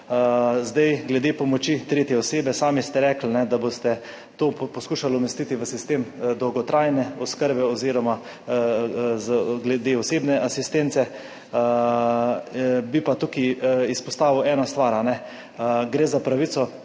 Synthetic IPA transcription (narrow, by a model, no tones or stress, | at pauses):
zd̪ajɡlɛd̪eːpɔmɔt͡ʃit̪ɾeːt̪jɛɔseːbɛsaːmist̪ɛɾɛːkl̩nɛd̪abost̪ɛ | t̪oːpɔskuːʃalumɛst̪it̪iʋəsist̪eːmd̪ɔwɡɔt̪ɾajnɛɔskəɾbɛɔziːɾɔma | zɡlɛd̪eɔseːbnɛʔasist̪ent̪sɛ | bipat̪ukiispɔst̪aːʋiwɛːnɔst̪ʋaɾanɛ | ɡɾeːzapɾaʋit̪sɔ